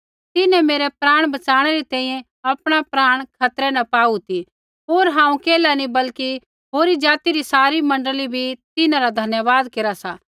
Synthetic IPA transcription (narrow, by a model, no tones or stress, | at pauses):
t̪ɪnɛ̃meːɾɛpɾaːɽ̃bɐt͡ʃaːɽ̃ɛɾit̪ɛ̃ːĩjɛ̃ | ɐpɽ̃apɾaːɽ̃kʰɐt̪ɾɛnɐpaːut̪i | ɦoːɾɦãːũkeːlanibɐlki | ɦoːɾid͡ʒaːt̪iɾisaːɾimɐ̃ɳɖəlibʱit̪ɪnãɾad̪ʱɐnjəʋaːd̪keːɾasaː